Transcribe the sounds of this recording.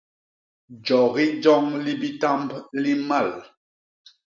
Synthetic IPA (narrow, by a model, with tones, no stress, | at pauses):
d͡ʒɔ˨ɣi˦d͡ʒɔ˦ŋli˦bi˦ta˦mbli˦ma˦˨l